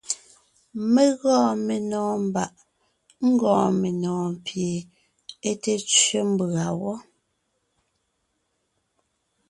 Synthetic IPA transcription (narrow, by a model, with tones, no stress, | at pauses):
me˦ɣɔ̃ː˦˨me˨nɔ̃ː˨m˨ba˨ʔ | ŋ̩˦ɡɔ̃ː˨me˨nɔ̃ː˨m˨pje˨ | e˦te˦t͡ʃɥe˦m̩˦ba˨wɔ˦